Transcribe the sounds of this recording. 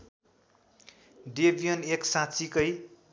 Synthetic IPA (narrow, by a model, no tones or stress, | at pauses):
ɖebijʌneksãt͡sikʌj